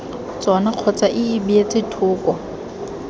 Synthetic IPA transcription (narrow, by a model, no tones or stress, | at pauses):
t͡sʼɔnaq͡χʰɔt͡saʔɪɪbiet͡sɪtʰʊːkʼɔ